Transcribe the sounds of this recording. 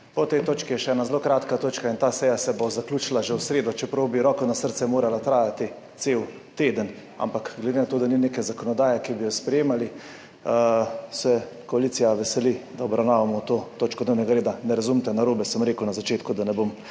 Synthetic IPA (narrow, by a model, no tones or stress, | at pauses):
pɔt̪ɛjt̪oːt͡ʃkijɛʃɛɛːnazloːkɾaːt̪kat̪oːt͡ʃkaint̪aːsɛːjasɛbozaklʲuːt͡ʃilaʒɛwsɾeːd̪ɔt͡ʃɛpɾɐwbiɾɔːkɔnasəɾt̪sɛmoːɾalat̪ɾaːjat̪i | t̪sew | t̪eːd̪ən | a̰mpakɡlɛd̪enat̪oːd̪anineːkɛzakɔnɔd̪aːjɛkibijɔspɾɛjeːmali | sɛkɔaliːt̪sijaʋɛsɛlid̪aɔbɾawnaːʋamɔt̪oːt̪oːt͡ʃkɔd̪neːwnɛɡaɾeːd̪anɛɾazumt̪ɛnaɾoːbɛsəmɾeːkuwnazat͡ʃeːt̪kud̪anɛbom